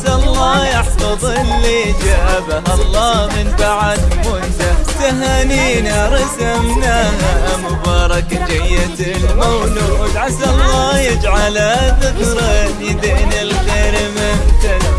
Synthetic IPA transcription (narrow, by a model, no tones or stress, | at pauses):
salˤːɑːjɑħfɑðˤlːid͡ʒaːbaɦɑlˤːɑːmɪnbaʕad̪mʊnt̪asaɦaniːnaɾˤɑsamnahaʔamʊbɑːɾˤɑkd͡ʒajːat̪ɪlmawlʊd̪ʕasalˤːɑːjɪd͡ʒʕalad̪ɪkɾˤɑjɪd̪ɪʔnɪlɣeːɾmɪmt̪a